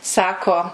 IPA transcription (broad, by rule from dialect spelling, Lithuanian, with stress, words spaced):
ˈsɑːkoː